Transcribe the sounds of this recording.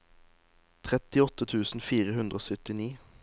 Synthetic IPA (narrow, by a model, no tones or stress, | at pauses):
t̪ʰʁɛt̪ɪɔt̪ət̪ʰʉːsn̩fiːʁəhʉnd̪ʁəoːsœt̪ɪniː